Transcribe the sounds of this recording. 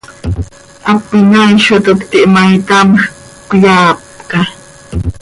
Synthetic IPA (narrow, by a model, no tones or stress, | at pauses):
ʔapɪnajʃʊt̪ʊkt̪ɪʔmajt̪am | kʊjaːp̚ka